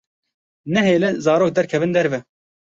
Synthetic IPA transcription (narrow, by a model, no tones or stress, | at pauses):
nɛɦeːlɛzɑːɾoːk̚d̪ɛɾkʰɛvɨnd̪ɛɾvɛ